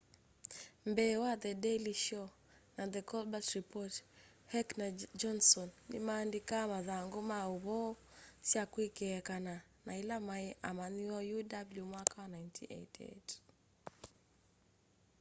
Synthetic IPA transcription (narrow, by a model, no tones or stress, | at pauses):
mbɛwaðədɛliʃɔ | naðəkɔlbasɹipɔt | hɛknad͡ʒɔnsɔnːḭmaːndikamaðaŋɡumauβɔsjakwikɛkana | nailamaɛʔamaniɔjudabljumwakawanajntʰḭʔḛtʰḛt